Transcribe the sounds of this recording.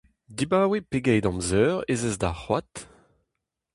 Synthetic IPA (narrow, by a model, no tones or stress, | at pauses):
dibaːwepeɡɛjd̪ɑ̃mzœːʁezɛzdaχwat̪